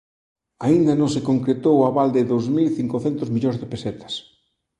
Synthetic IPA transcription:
aind̪ɐnõŋsɪkoŋkɾet̪owaβald̪ɪðowzmilθiŋkoθɛnt̪ʊzmiʎõŋzðɪpesɛt̪ɐ̥s

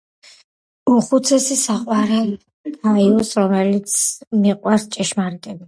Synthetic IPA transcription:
uχut̪sʰɛsisaqʼwaɾɛ | ɡaiɔsɾɔmɛlit̪sʰmiqʼwaɾst͡ʃʼɛʃmaɾit̪ʼɛbi

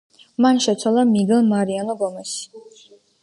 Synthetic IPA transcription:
manʃɛt̪sʰwalˠamiɡɛlˠmaɾianɔbɔmɛsi̥

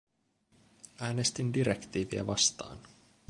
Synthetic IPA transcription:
æːne̞st̪indiɾekt̪iːʋiæ̰ʋɑst̪ɑ̰ːn

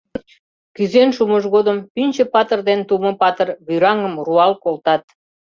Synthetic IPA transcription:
kyzenʃuməʒɣod̪əmpynʲt͡ɕə̆pɑt̪ərd̪ent̪umə̆pɑt̪ərβyɾɑŋə̆mruɑlkolt̪ɑt̪̚

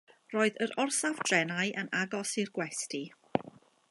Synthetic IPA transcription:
roːɨðəɾɔrsavd̥rɛnaɨʔənaɡɔsirɡwɛsti

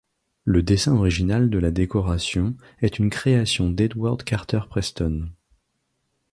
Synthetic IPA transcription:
ləd̪esɛ̃ɔʁiʒinald̪əlad̪ekɔʁasjɔ̃ | ɛt̪ynkχeasjɔ̃d̪ɛd̪waʁd̪kaʁt̪œʁpχɛst̪ɔn

